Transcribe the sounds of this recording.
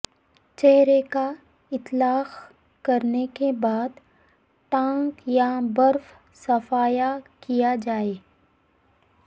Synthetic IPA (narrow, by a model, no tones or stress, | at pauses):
t͡ʃɛɦɾeka | ɪt̪laːx | kɐɾnekebaːd̪ | ʈ̪ãːŋkjabɐɾf | sɐfaːjakijad͡ʒaːeː